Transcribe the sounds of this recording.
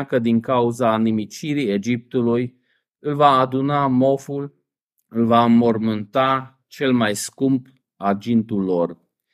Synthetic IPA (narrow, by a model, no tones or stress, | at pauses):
kəd̪iŋkauzanimit͡ʃiɾie̞d͡ʒip̚t̪uluj | ɨlvaːd̪unamo̞ful | ɨlvamo̞rmɨnt̪a | t͡ʃe̞lmajskumb | ad͡ʒint̪ulːo̞r